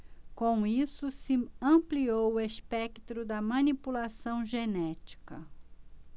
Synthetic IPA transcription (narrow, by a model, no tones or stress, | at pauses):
kõw̃isʊsɪɐ̃mpliowʊespɛkt̪ɾʊd̪ɐmɐ̃nipulasɐ̃w̃ʒenɛt͡ʃi̥kɐ